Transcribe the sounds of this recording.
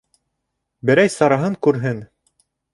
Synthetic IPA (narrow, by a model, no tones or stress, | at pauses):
bɘ̆ɾæjsɑɾɑɦɤŋkʉɾɦɘn